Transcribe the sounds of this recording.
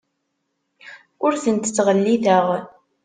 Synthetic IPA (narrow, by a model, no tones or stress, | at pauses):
ʊɾθənt̪ət͡sːʁəlːiðəʁ